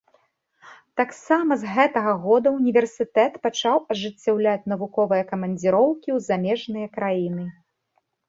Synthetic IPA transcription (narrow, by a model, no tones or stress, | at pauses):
t̪aksamɐzɣɛt̪ɐɣɐɣɔd̪ɐunʲivʲɛrsʲɨt̪ɛt̪pat͡ʂawɐʐɨt͡sʲːawlʲat͡sʲn̪ɐvukɔvɨjɐkɐmɐnʲd͡zʲiɾɔwkʲiwzamʲɛʐnɨjɐkɾajinɨ